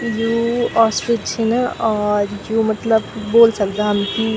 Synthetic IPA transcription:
joːɔːsʈɾet͡ʃʰinaʔɔːɾjoːmɐt̪ləbːoːlsɐkd̪aɦɐmki

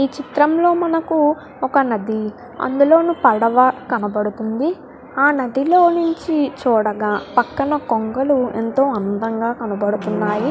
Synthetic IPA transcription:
iːt͡ʃit̪ɾɐmlo̞ːmɐnɐku | ɔkɐnɐd̪i | ɐ̰nd̪ulo̞ːnupɐɽɐʋɐkɐnɐbɐɽut̪und̪i | aːnɐd̪ilo̞ːnuɲt͡ʃit͡ʃuːɽɐɡaːpɐkːɐnɐkoŋɡɐluḛnt̪o̞ːɐnd̪ɐŋɡaːkɐnɐbɐɽut̪unːaːji

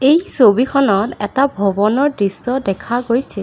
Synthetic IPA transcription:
ejsobikʰɔnɔtɛtabʱɔbɔnɔɹdisːɔdɛkʰaɡojsɛ

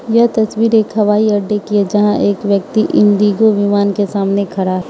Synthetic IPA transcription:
jɐɦt̪ɐswiːɾeːkɦɐʋaːiɐɾɖekied͡ʒɐɦãʔeːkʋjɐk̚t̪iʔɪ̃nd̪iːɡoʋɪmaːnkesaːmnekʰɐɾaː

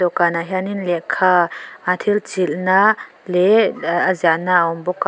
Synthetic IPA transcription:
ɔkanaɦaninlɛʔkʰaːʔat̪ʰilt͡silnaʔ | lɛazanaʔəɔmbɔka

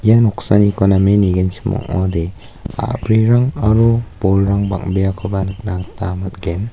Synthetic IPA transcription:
ijanɔksanikɔnameniɡensʰi̥mɔ̰ŋɔ̰de | a̰bɾiɾaŋaɾub̥ɔlɾaŋba̰ŋbeakʰɔbanɯk̚naŋtamat̚ɡen

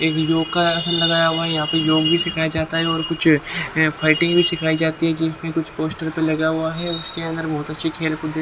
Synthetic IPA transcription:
eːkjoːɡ̚kaɐsəlːɐɡaːjaɦʊaɦɛjɐɦãpəjoːɡbʱisɪkʰaːjad͡ʒaːt̪aɦɛɔːɾkʊt͡ʃʰfʰaːɪʈɪ̃ŋɡbʱisɪkʰaːid͡ʒaːt̪iɦɛkiɪsmẽkʊt͡ʃʰpoːsʈəɾpelɐɡaɦuaɦɛʊskeɐ̃nd̪əɾbɔɦɔt̪ɐtːʃʰikʰeːlkʊd̪e

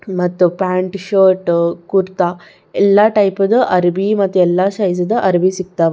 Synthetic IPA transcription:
mɐt̪ːupaɳʈʃoːɾʈkuɾt̪a | ɛlːaʈɐjpɐd̪əʔɐɾbimɐt̪ːuɛlːaʃɐjd͡zɐd̪əʔɐɾbisik̚t̪aʋ

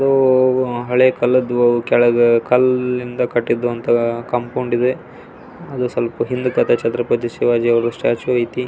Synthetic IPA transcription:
ɐd̪u | ɦɐɭekɐlːɐd̪ʋɐukɛɭɐkʰɐlːind̪ɐkɐʈːid̪uɐnt̪ɐkɐmpoːɳɖid̪e | ɐd̪usɐlɐpɐɦind̪ukɐt̪ʰɐt͡ʃɐt̪ɾɐpɐt̪iʃiʋaːd͡ʒiɐʋɐɾusʈjaːt͡ʃuɐjt̪i

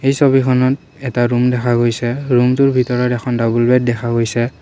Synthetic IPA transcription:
ejsobikʰɔnɔt | ɛtaɹumdɛkʰaɡojsɛɹumtʊɹbʱitɔɹɔtɛxʰɔndabulbɛt̚dɛxʰaɡojsɛ

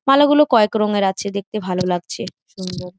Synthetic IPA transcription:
malaɡulokɔekɾɔŋeɾatːt͡ɕʰed̪ek̚t̪ebʱalolaɡ̚t͡ɕʰeʃund̪oɾ

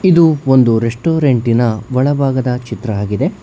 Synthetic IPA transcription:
id̪uond̪uɾeʂʈoːɾeɳʈinɐʋɐɭɐbʱaːɡɐd̪ɐt͡ʃit̪ɾɐaːɡid̪e̞

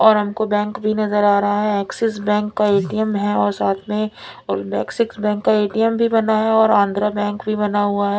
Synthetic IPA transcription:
ɔːɾɦɐmkobɛ̃ːŋkbʱinɐzəɾaːɾɐɦaɦɛɛːksɪs̬bɛ̃ːŋkːaeːʈijəmɦɛɔːɾsaːt̪ʰmẽɔːɾbɛːksɪksbɛ̃ːŋkːaeːʈijəmbʱibɐnaɦɛɔːɾãːnd̪ʱɾabɛ̃ːŋkbʱibɐnaɦuaɦɛː

